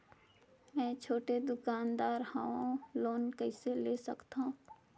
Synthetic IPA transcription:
mɛ̃ːt͡ʃʰoːʈed̪ʊkaːnd̪aːɾha̰õloːnkəɪseleːsə̰kt̪aɦũː

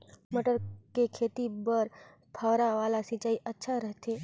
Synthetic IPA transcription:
məʈəɾkekʰeːt̪ibəɾ | pʰaʋɾaʋaːlasɪ̃t͡ʃaːiʔɐtːʃʰaɾɐɦt̪eː

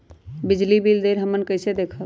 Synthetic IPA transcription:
bɪd͡ʒlibild̪eːɾɦəmənkəɪsed̪eːkʰə

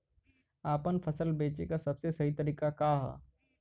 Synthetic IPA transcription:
aːpənfʰɐsəlbeːt͡ʃekasɐbsesɐɦit̪ɐɾiːkakaːɦa̰ː

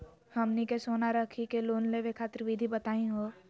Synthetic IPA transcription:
hɐmnikesoːnaɾəkʰikeloːnleʋekʰaːt̪ɾʋid̪ʱibət̪aːĩɦoː

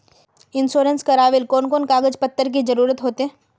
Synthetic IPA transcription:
ɪnsoːɾənskɐɾaːʋɪlkoːnkoːnkaːɡəd͡ʒpət̪ːəɾk̬id͡ʒɐɾuːɾət̪ɦoːt̪eɦɛ̃ː

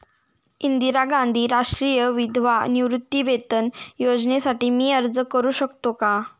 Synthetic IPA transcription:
ind̪iɾaɡãnd̪ʱiːɾaʂʈɾijəʋid̪ʱʋaniʋɾut̪ːiʋet̪ənjod͡znesaʈiːmiːəɾd͡zəkəɾuːɕəkt̪oka

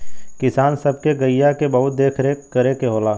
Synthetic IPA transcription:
kɪsaːnsɐb̚keɡɐɪjakebɐɦʊt̪̚d̪eːkʰɾekɐɾekeɦoːlaː

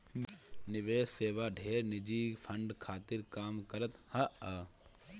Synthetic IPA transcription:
nɪʋeːsseːʋaɖʱeːɾnɪd͡ʒiːpʰɐ̃ɳɖkʰaːt̪ɪɾkaːmkɐɾət̪hɐɐ

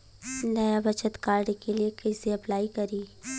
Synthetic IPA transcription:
nɐjabɐt͡ʃət̪kaːɾɖkeliekɐɪseɐplaːikɐɾiː

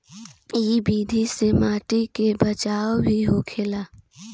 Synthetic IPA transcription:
iːbiːd̪ʱisemaːʈikebət͡ʃaːobʱiɦoːkʰeːlaː

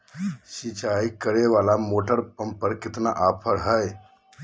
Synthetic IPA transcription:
sit͡ʃaikəɾeʋalamoʈəɾpəmpːəɾkɪt̪na̰ʔapʰəɾɦəj

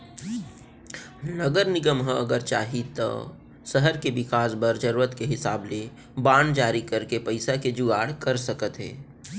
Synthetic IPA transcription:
nɐɡəɾnɪɡəmɦə̃ɐɡəɾt͡ʃa̰ːɦit̪ɐ̰ː | səɦəɾkebɪkaːsbəɾd͡ʒəɾːət̪keɦɪsa̰ːble | baːnd͡ʒaːɾikɐɾkepɐɪsaked͡ʒuɡaːɽkɐɾsɐkət̪ɦɛ̰ː

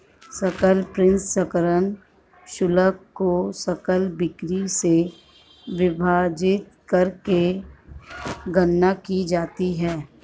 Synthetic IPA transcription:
sɐkəlpɾɪ̃nssəkəɾən | ʃʊləkːosəkəlbɪkɾise | ʋɪbʱaːd͡ʒɪt̪̚kɐɾke | ɡənːakid͡ʒaːt̪iɦɛː

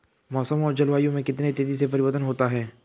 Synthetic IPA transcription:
mɔːsəmɔːɾd͡ʒɐlʋaːijõmẽkɪt̪net̪eːzisepɐɾɪʋəɾt̪ənɦoːt̪aɦɛː

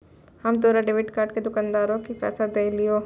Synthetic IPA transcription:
hɐmt̪oːɾaɖeːʋɪʈkaːɾʈked̪ʊkaːnd̪aːɾõkipɛ̰ːsad̪eːlioː

